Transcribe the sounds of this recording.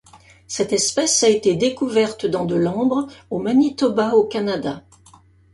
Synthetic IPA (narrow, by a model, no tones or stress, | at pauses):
sɛt̪ɛspɛsaet̪ed̪ekuvɛʁt̪d̪ɑ̃d̪əlɑ̃bʁomanit̪ɔbaokanad̪a